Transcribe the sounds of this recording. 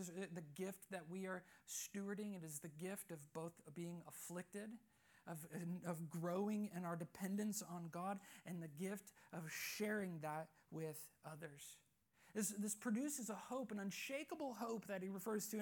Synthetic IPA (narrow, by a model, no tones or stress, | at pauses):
zðɨɡɪft̪̚ðɨt̚wiə˞stʉə˞ɾɪ̃ŋɨɾɨzðɨɡɪftʌvboʊθbiɪ̃ŋəflɪk̚tɪɾ | ʔʌvʌvɡɹoʊɪ̃ŋɪ̃naʊə˞dɨpʰɛ̃ndɨ̃nsn̩ɡɑɾɨ̃nðɨɡɪftʌv̥ʃɛɹɪ̃ŋðət̚wɪð̥ʌðə˞z̥ | ɪsðɪspʰɹ̥ɨdʉsɨzəhoʊpɨ̃nʌ̃nʃeɪkəbl̩ˠɦoʊp̚ðɨt̚hiɹɨfɜ˞z̥tʰɨ̃